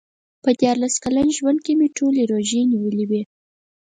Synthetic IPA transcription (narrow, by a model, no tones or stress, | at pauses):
pəd̪jɑɾlaskalanʒwand̪̚kemeʈʰoleɾoʒeniwəliwe